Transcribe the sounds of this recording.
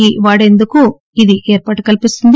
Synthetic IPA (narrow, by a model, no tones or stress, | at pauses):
iʋaːɽe̞nd̪uku | id̪iʔeːɾpaːʈu̥kɐlpist̪und̪